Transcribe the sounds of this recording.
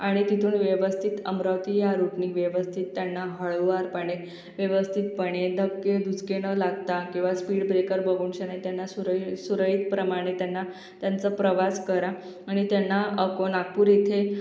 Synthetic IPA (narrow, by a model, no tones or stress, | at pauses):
aɽ̃it̪it̪ʰuːnʋjəʋəst̪ʰit̪əmɾəʋt̪iːjaɾuʈɳiːʋjeʋəst̪ʰit̪ːjanːaɦəɭʋaɾpəɽ̃e | ʋjeʋəst̪ʰit̪̚pəɳed̪ʱəkːed̪ud͡zkenəlaɡt̪akĩw̃ʋaspiːɽbɾekəɾbəɡuːɳɕenajt̪janːasuɾsuɾəɦiːt̪̚pɾəmaɽ̃et̪janːa | t̪jant͡səpɾəʋaskəɾa | aɽ̃it̪janːaəkonak̚puːɾit̪ʰe